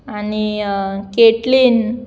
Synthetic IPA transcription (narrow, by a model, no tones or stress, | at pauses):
anikeʈliːn